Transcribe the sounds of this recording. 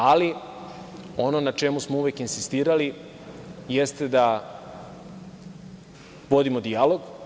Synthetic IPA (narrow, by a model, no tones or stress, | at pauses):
ali | o̞no̞nat͡ʃe̞musmouʋjekinsist̪iːɾali | jest̪ed̪a | ʋo̞d̪imo̞d̪ialo̞ɡ